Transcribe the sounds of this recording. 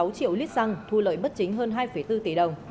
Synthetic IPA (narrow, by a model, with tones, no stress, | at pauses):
a˨˦wt͡ɕḭ˧˨əwli˦˥t̚za˧ŋt̪ʰu˧lə̰ː˧˨jɓə˦˥t̚t͡ɕï˨˦ŋ̟ɦəː˧nɦaː˧jfə˧˩jt̪ɨ˧t̪i˧˩ɗə˨˩wŋ͡m